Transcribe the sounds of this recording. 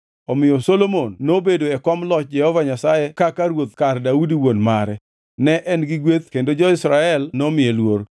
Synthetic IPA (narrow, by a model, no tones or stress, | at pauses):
ɔmɪjɔsolomonːobedoɛkɔmlɔt͡ʃ̚d͡ʒɛhɔvaɲasajɛkakaɾwot̪kardaudiwonmaɾɛ | nɛʔɛnɡɪɡwet̪kendod͡ʒɔɪsɾaɛlnɔmɪjelwoɾ